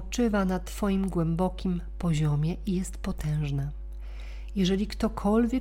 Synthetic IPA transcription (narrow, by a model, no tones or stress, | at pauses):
t͡ʂɘvanat̪fɔjimɡwɛmbɔkʲimpɔʑɔmʲjɛʔijɛst̪pɔt̪ɛ̃w̃ʐna | jɛʐɛlʲikt̪ɔkʰɔlvʲjɛ